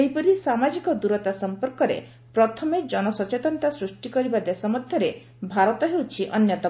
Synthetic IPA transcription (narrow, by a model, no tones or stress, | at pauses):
eɦipɔɾisamad͡ʒikɔd̪uɾɔt̪asɔmpɔɾkɔɾḛ | pɾɔt̪ʰɔmed͡ʒɔnɔsɔt͡ʃet̪ɔnɔt̪asɾusʈikɔɾibad̪esɔmɔd̪ʱjɔɾe | bʱaɾɔt̪ɔɦewt͡ʃʰiʔɔnjɔt̪a